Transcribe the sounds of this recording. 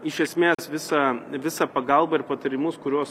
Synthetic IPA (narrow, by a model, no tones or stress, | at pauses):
ɪʃʲɛsʲmʲeːsʋʲɪsɐʋʲɪsɑːpɐɡɐlˠbɐɪɾpɐt̪ɐɾʲɪmʊskʊɾʲuɔs